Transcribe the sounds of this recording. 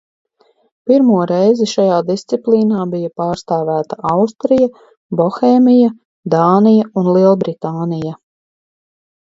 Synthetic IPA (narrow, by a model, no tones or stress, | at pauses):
piɾmuɔɾɛjziʃajaːd̪ist̪siplˠiːnaːbijɐpaːɾst̪aːvæːt̪aʔawst̪ɾija | bɔxɛːmija | d̪aːnijaunlˠiɛlˠbɾit̪aːnija